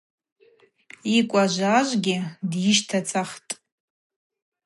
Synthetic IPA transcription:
ikʷʼaʒʷaʒʷɡʲɪdjɪʃtʰat͡sʼaχtʼ

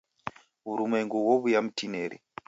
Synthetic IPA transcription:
βuɾumwɛŋɡuwɔβujam̩tʰinɛɾḭ

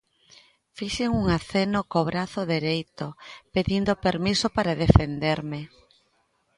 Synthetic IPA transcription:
fiʃeŋuŋaθenokoβɾaθoðeɾejt̪opeðind̪opeɾmisopaɾaðefend̪eɾme

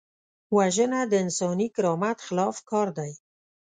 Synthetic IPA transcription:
waʒənad̪əɪnsɑnikɪɾɑmat̪xɪlɑfkɑɾd̪aj

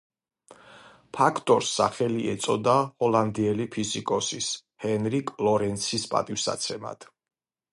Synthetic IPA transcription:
pʰakʰt̪ʼɔɾsːa̰χɛliɛt̪sʼɔd̪ahɔlˠand̪iɛlipʰizikʼɔsis | hɛnɾikʼlˠɔɾɛnt̪sʰispʼa̰t̪ʼifsa̰t̪sʰɛma̰d̪̥

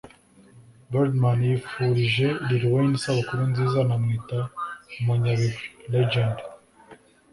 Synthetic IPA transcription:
baɾdmanjifuɾiʒe̞ɾiɾiweinisaβakuɾunziːzanamŋiːtaumuɲaβifiled͡ʒand

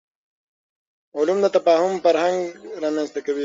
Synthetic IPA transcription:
ʊlumd̪ət̪afɑːhʊmfaɾhaŋɡɾɑːmjanst̪akawi

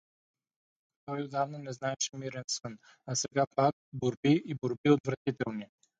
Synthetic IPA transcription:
t̪ɔjod̪avnanɛznaɛʃɛmiɾɛnsɤn | asɛɡapak̚boɾbiiboɾbiot̪vɾɐt̪it̪ɛlˠni

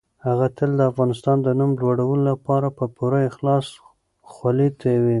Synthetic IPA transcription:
haɣat̪əld̪əafɣɑnɪst̪ɑnd̪ənumlwaɽawəlolapɑɾapəpʊɾaɪxlɑs | xwalit̪awi

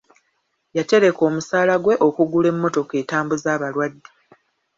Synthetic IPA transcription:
jate̞ɾe̞ko̞ːmusaːlaɡwe̞ʔo̞kuɡule̞mːo̞to̞ke̞ːtaːmbuzaːβalwadːe

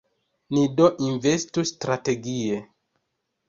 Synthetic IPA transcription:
nidoʔinve̞stustɾate̞ɡie

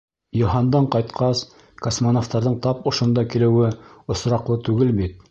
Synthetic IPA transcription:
jŏɦɑnd̪ɑɴqɑjt̪qʰɑs | kosmonoft̪ɑɾðɤɴt̪ɑpŏʃŏnd̪ɑkilɘ̆wɘŏsɾɑqlˠɤt̪ʉɡɘlbit̪̚

